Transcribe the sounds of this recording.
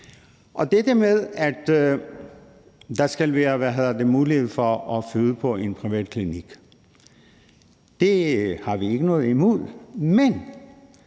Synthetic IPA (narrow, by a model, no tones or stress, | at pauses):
ʔɒ̽d̥edəmeð̞ˠæd̥ | d̥ɑ̈sɡ̥ælʋæːɐɐʋæɦeðˠɐd̥e̝muːlihe̝ð̩̰ˠfɒɒfyðˠəpʰɒ̽e̝npʰʁiʋɛ̰ːd̥̚kʰliniɡ̥ | d̥e̝hɑ̈ʋie̝ɡ̥ənɔ̽ːð̩ˠimuðˠmen